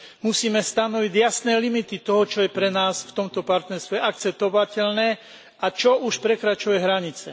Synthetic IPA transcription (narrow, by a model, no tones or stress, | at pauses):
musiːmɛst̪anɔʋiɟjasnɛːlimit̪it̪ɔɦɔt͡ʃɔjɛpɾɛnaːsft̪ɔmt̪ɔpaɾt̪nɛɾst̪ʋɛak̚t͡sɛp̚t̪ɔʋacɛlnɛː | at͡ʃɔʔuʃpɾɛkɾat͡ʃujɛɦɾaɲit͡sɛ̰